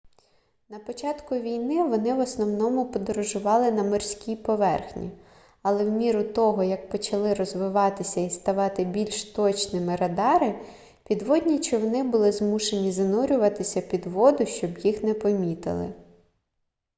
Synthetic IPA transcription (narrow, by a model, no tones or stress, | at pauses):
nɐpɔt͡ʃɑt̪kʊʋʲijnɪʋɔnɪʋɔsnɔwnɔmʊpɔd̪ɔɾɔʒʊʋɑlˠɪnɐmɔrsʲkʲijpɔʋɛrxnʲḭ | ɐlˠɛwmʲiɾʊt̪ɔɦɔjɐk̚pɔt͡ʃɐlˠɪɾɔzʋɪʋɑt̪ɪsʲɐist̪ɐʋɑt̪ɪbʲilʲʃt̪ɔt͡ʃnɪmɪɾɐd̪ɑɾɪ | pʲid̪ʋɔdʲnʲit͡ʃɪwnɪbʊlˠɪzmuʃenʲizɐnuɾʲʊʋɐt̪ɪsʲɐpʲid̪ʋɔd̪ʊʃt͡ʃɔbjixnɛpɔmʲit̪ɪ̰lˠɪ̰